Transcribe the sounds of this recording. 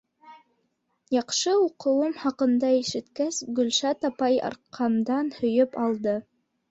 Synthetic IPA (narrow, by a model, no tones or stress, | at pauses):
jɑqʃɤuqɤ̆wɤmhɑqɤ̆nd̪ɑiʃɘ̆t̪kæsɡɵ̆lʃæt̪ɑpɑjɑ̰ɾqʰɑmd̪ɑnhɵ̆jɵpɑlˠd̪ɤ